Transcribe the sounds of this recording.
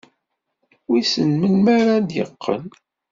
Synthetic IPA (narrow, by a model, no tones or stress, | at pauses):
wisənmənmaɾand̪jəqːə̰n